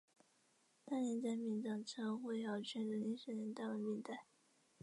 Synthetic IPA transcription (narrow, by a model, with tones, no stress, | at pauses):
t̪a˥˩nɛ˧˥nt͡sa˥˧ɪmi˧˩nʈ͡ʂɑ˥˩ŋʈ͡ʂʰɤ˧˥xwe˥˩ɪjɑ˥˩ʊt͡ɕʰɥɛ˧˥nd̪ə˧˥li˧˥ŋɕɛ˧˥nɛ˧˥nt̪a˥˩wə˧˥mi˥˧nt̪a˥˩ɪ